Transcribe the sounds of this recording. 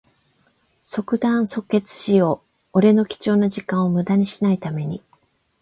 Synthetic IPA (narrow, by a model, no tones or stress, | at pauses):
so̞kɯ̟d̪ãɰ̃so̞kːe̞t͡sɨ̥ɕijo̞ː | ɾe̞no̞kʲi̥t͡ɕo̞ːnoʑikãɰ̃o̞mɯ̟d̪aɲ̟iɕinait̪ame̞ɲ̟i